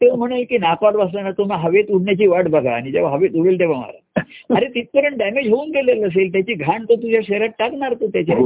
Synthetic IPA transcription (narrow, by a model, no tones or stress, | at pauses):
t̪eʋm̤əɽ̃elkiːnakʋaɾbəs̬lanat̪omaɦəʋet̪uɽɳjat͡ɕiːʋaʈbəɡʱa̰ːɽ̃id͡ʑeʋaɦəʋet̪uɽeld̪eʋama̰ɾa̰aɾet̪it̪̚kəɾəɳɖɛmed͡ʑɦounɡeleləs̬elt̪jat͡ɕiːɡʱaɳt̪ot̪ud͡ʑʱjaɕeɾat̪̚ʈaknaɾt̪ot̪jat͡ɕe